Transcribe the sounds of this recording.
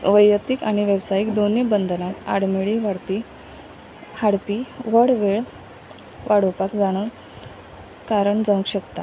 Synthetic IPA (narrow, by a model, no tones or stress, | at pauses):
ʋəjət̪ikaɽ̃iʋebsaiːkd̪onibənd̪ʱənat̪a̰ɽmiɭiʋaɽpi | haɽpiːʋəɽʋeɭ | ʋaɽ̤opakd͡zaɽ̃ə | kaɾəɳd͡zə̃ŋkɕəkt̪a